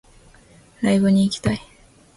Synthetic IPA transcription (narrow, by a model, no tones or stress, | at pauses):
ɾaibɯ̟ɲ̟iːkʲi̥t̪ai